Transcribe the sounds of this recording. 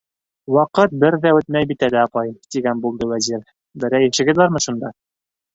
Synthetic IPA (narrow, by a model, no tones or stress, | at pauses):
wɑqɤt̪̚bɘɾðæɵt̪mæjbit̪ælæɑpɑjt̪iɡænbulˠd̪ɤwæziɾ | bɘ̆ɾæjɘ̆nʃɘ̆ɡɘ̆ðɑɾmɤʃund̪ɑ